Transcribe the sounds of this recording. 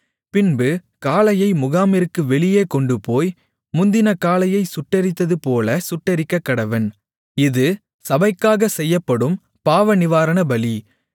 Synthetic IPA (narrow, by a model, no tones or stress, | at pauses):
pɪnbɯkaːlɐjɐɪmʊɣaːmɪɾɯkːɯʋɛɭɪjeːkɔɳɖɯpoːj | mʊnd̪ɪnɐkaːlɐjɐɪsʊʈːɐɾɪt̪ːɐðɯpoːlɐsʊʈːɐɾɪkːɐkːɐɽɐʋɐn | ɪðɯ | sɐbɐɪkːaːɣɐsɛjːɐpːɐɽɯm | paːʋɐnɪʋaːɾɐnɐbɐli